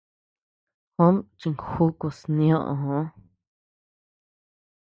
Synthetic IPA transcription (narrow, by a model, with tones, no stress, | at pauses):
hõ˦mt͡ʃi˨ŋkhuː˦ku˧˨snj̃ɔ̃˦ʔɦõ˧˦